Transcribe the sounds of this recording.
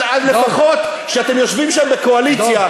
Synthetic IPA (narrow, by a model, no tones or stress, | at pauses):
adlefaχo̞t̪ | ʃeat̪e̞mjo̞ʃvimʃambekoalit͡sja